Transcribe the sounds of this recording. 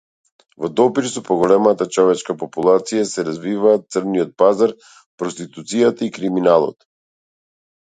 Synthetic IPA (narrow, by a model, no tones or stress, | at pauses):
vɔd̪ɔpiɾsɔpɔɡɔlɛmat̪at͡ʃɔvɛt͡ʃkapɔpulˠat̪sijasɛɾazvivaːt̪̚t̪sərɾniɔt̪̚pazaɾ | pɾɔst̪it̪ut̪sijat̪aikɾiminalˠɔ̰t̪